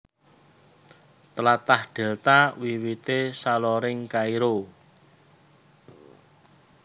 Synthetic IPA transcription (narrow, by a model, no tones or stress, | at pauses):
t̪əlat̪ahɖ̪̥ɛ̤lt̪awiwit̪esalɔɾɪŋkaiɾo